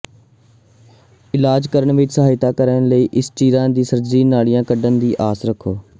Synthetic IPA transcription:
ɪlaːd͡ʒkəɾəɳʋɪt͡ʃsəɦaːɪt̪aːkəɾənləiːʔɪsʈiːɾãːd̪iːsəɾziːnaːɭijãːkəɖənd̪iːʔaːsɾəkʰːoː

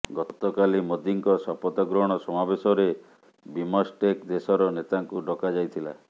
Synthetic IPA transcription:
ɡɔt̪ɔkalimod̪iŋkɔsɔpɔt̪ɔɡɾɔɦɽ̃ɔsɔmabesɔɾe | bimɔsʈekd̪esɔɾɔnet̪aŋkuɖɔkad͡ʒajt̪ʰila̰

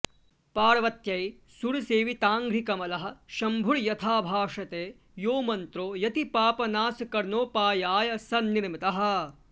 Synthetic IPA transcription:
paːɽɐʋɐt̪jɐj | suɽseːʋit̪aːŋɡɾikɐmɐlɐɦɐ̆ʃɐmbʱuɭjɐt̪ʰaːbʱaːʂɐt̪eː | joːmɐnt̪ɾoːjɐt̪ipaːpɐnaːsɐkɐɾnoːpaːjaːjɐsɐɾniɾmit̪ɐɦɐ̆

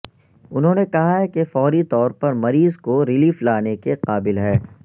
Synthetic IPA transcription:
ʊnɦõːnekɐɦaɦɛkefɔːɾit̪ɔːɾpɐɾmɐɾiːzkoɾɪliːflaːnekeqaːbɪlɦɛː

